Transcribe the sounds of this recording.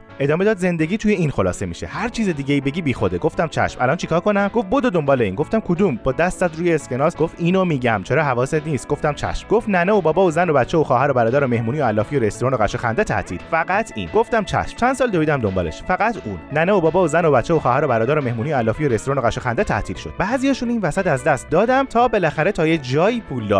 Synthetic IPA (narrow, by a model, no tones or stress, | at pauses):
ʔe̞d̪ɒːme̞d̪ɒːd̪ze̞nd̪e̞ɟʲiːt̪ʰujeinxo̞lɒ̰ːsemiʃḛhæɾt͡ʃʰiːzed̪iːɟeiːbe̞ɟiːbiːxo̞d̪eɡo̞ft̪æmt͡ʃʰæ̰ʃmʔæ̰lɒnt͡ʃʰikʰɒːɾkʰo̞næmɡ̥ofbod̪od̪ombɒːleiːnɡo̞ft̪æmkʰod̪umbɒːd̪æst̪sæt̪ɾuːjeesce̞nɒːsɡ̥ofiːnomiːɟæmt͡ʃʰeɾɒːɦævɒːset̪niːst̪̚ɡ̥o̞ft̪æmt͡ʃʰæ̰ʃmɡoft̪næneobɒːbɒːozænobætt͡ʃʰːeoxɒːhæɾo̞bæɾɒːd̪æɾo̞me̞hmuːnijoælːɒːfijoɾe̞st̪oɾɑːno̞ɣæʃexænd̪et̪ʰæ̰ʔt̪ʰḭːlfæɡæt̪ʰḭnɡo̞ft̪æmt͡ʃʰæ̰ʃmt͡ʃʰænd̪sɒːld̪oiːd̪æmd̪o̞mbɒ̰ːlḛʃfæɡæt̪ʰunːæneobɒːbɒːozæno̞bætt͡ʃːeoxɒːhæɾo̞bæɾɒːd̪æɾo̞me̞hmuːniːjoælːɒːfijoɾest̪oɾːno̞ɣæʃexænd̪et̪ʰæ̰ʔt̪ʰiːlʃo̞d̪̥bæːzijɒːʃuniːnvæsæt̪æzd̪æst̪̚d̪ɒːd̪æmt̪ʰɒːbe̞læxæɾet̪ʰɒːjed͡ʒɒːiːpʰuːld̪ɒ̰